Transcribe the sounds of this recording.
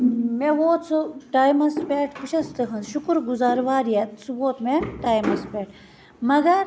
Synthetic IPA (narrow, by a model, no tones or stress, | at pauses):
meʋoːt̪t͡suʈaːjmɐspeːʈpuʃɐst̪ɨɦɐnzʃukɾɡuzaːɾʋaːɾjet̪suʋoːt̪meʈaːjmɐspʲeːʈ | mɐɡɐɾ